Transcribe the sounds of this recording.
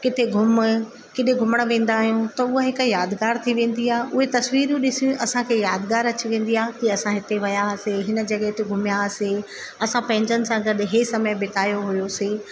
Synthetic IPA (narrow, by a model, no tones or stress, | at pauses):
kɪt̪ʰeɡʱʊm | kɪɗ̪eɡʱʊməɽ̃ʋẽːn̆d̪aːɦijũt̪ɐʊɦaɦɪkjaːd̪ɡaːɾt̪ʰiʋẽːn̆d̪iaːɦeʔʊɦet̪ɐsʋiːɾjũɗɪsijũʔɐsãkʰeːjaːd̪ɡaːɾɐt͡ɕiʋẽːn̆d̪iaːɦekiɐsãɦɪt̪eʋɐjaɐseːɦɪnə̆d͡ʑɐɠəɦt̪ʰeɡʱʊmjaɐseː | ɐsãpɐ̃ɦɪ̃ɲd͡ʑənɪ̆sãɡɐɗɦesɐməjbɪt̪aːjoɦʊjoseː